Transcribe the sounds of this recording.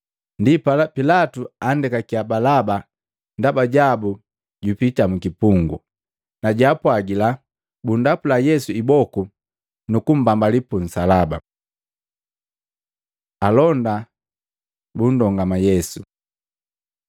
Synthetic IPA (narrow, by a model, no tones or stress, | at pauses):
ndippilatuandɛkakiabalaba | ndabaɟabu | ɟupitamukipuŋɡṵ | naɟaːpwaɡila | bundapulajɛsuibɔku | nukum̩bambalipun̩salaba̰ | alɔnda | bundɔŋɡamajɛsu